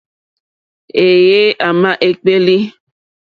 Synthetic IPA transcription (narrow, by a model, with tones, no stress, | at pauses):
e˨je˦ʔa˨mã˦ʔe˨k͡pe˦li˦